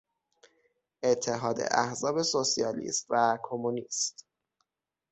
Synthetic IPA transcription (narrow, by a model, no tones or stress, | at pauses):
e̞t̪ʰːe̞ɦɒːd̪ḛʔæhzɒːbe̞sosiɒːlḭːst̪vækʰomuniːst̪